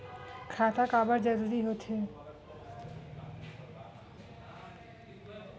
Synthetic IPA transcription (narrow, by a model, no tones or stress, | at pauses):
kʰat̪ʰakabaɾd͡ʑad̪ud̪iɦotʰe